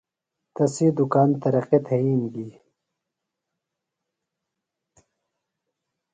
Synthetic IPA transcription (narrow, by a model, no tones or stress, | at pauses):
t̪ɐsid̪ukaːnt̪ɐɾɐqet̪ʰɐiːnɡi